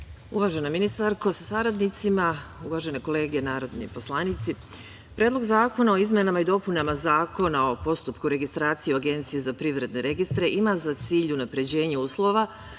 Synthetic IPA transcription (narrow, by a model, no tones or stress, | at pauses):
uʋaʒe̞nominist̪aɾko̞sasaɾad̪nit̪simauʋaʒe̞ne̞ko̞le̞ːɡe̞naːɾo̞d̪nḭpo̞slˠanit̪si | pɾedlˠo̞ɡzaːko̞nao̞izmenamaid̪o̞punamazaːko̞nao̞po̞st̪upkuɾe̞ɡist̪ɾaːt̪siioaɡe̞nt̪sijezapɾiʋɾe̞d̪ne̞ɾe̞ɡist̪ɾe̞ʔimazat̪siːʎunapɾe̞d͡ʑe̞ːɲeuːslˠo̞ʋa